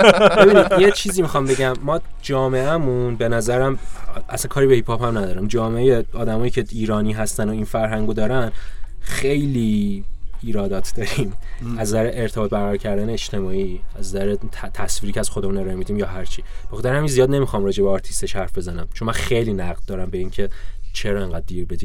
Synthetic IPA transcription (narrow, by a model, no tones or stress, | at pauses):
beinid̪ijet͡ʃʰiːzimixɒmbe̞ɟæmːɒːd͡ʒɒːmeæmunbe̞næzæɾæmʔæ̰sæŋkʰɒːɾibehipʰɒːphæmnæd̪ɒːɾæmd͡ʒɒːmeejeɒːd̪æmɒːjiːcʰeiːɾɒːniːɦæst̪ænoinfæɾɦæŋɡod̪ɒːɾænxe̞jliː | ɾɒːd̪ɒːt̪ʰd̪̥ɒːɾiːmæzzæɾeʔeɾt̪ʰeɒːt̪̚bæɣæɾɔɾcʰæɾd̪æneet͡ʃt̪ʰe̞mɒːiːæzzæɾet̪ʰæsviːɾiːcʰeæz̥xo̞d̪emuneɾɒnemid̪iːmjɒːɦæɾt͡ʃʰib̥exɑt̪ʰæɾhæminzijɒːd̪ne̞mixɒmɾɒːd͡ʒe̞beɒːɾt̪ʰi̥st̪eʃhæɾfbe̞zænæmt͡ʃʰo̞nmænxejliːnæɣd̪̚d̪ɒːɾæmbe̞iːŋcʰe̞t͡ʃʰeɾɒeŋɡæd̪̚ːiɾbe̞d̪iːm